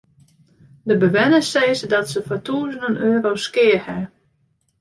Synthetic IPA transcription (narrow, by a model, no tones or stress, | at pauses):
dəbəʋɛnəseːzədɔtsəfɔtʰuːzəndənøːɾoskɪərhɛ